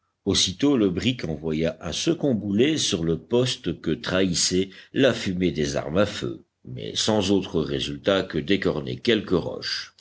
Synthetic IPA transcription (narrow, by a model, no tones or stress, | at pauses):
osit̪oləbʁikɑ̃vwajaʔɛ̃səkɔ̃bulesyʁləpɔst̪kət̪χaisɛlafymed̪eza̰ʁmafø̰ | mɛ̰sɑ̃zot̪χəʁezylt̪akəd̪ekɔʁnḛkʲɛlkəʁɔ̰ʃ